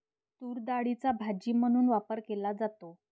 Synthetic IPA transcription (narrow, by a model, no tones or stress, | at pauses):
t̪uːɾd̪aɽit͡sabʱad͡ʑiːm̤əɽ̃uːnʋapəɾkelad͡zat̪o